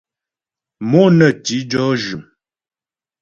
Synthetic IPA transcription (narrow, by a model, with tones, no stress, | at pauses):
mɔ˦nə˨ti˨˦d͡ʒɔ˦ʒʉ˨m